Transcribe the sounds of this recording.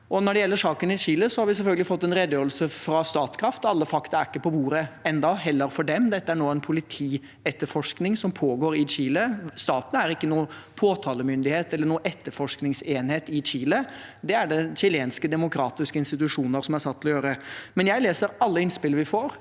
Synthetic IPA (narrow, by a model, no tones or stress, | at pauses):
ʔɔnɔɖɛjɛlːəʂɑːkənɪt͡ɕiːləsɔhɑɾʋɪsɛlfœlɡəlɪfɔt̪ːɛnɾɛd̪jøːɾəlsəfɾɑst̪ɑːt̪skʰɾɑft̪ɑlːəfɑkt̪ɑɾæɾɪkːəpʰɔbuːɾəɛnd̪ɑɦɛlːəɾfɔɖɛmd̪ɛt̪ːəæɳoːɛnpʰʊlɪt̪ʰiː | ɛt̪ːəɾfɔʂknɪŋsɔmpʰoːɡoːɾɪt͡ɕiːləst̪ɑːt̪næɾɪkːənuːəpʰoːt̪ʰɑːləmʏnd̪ɪheːt̪ɛlːəɳuːəʔɛt̪ːəɾfɔʂknɪŋseːnheːt̪ɪt͡ɕiːləd̪ɛæɖɛɕɪleːnskəd̪ɛmʊkʰɾɑːt̪ɪskəɪnst̪ɪt̪ʉʂuːnəɾsɔmæɾsɑt̪ʰːɪlɔjøːɾəmɛnjæɪleːsəɾɑlːəɪnspɪlʋɪfoːɾ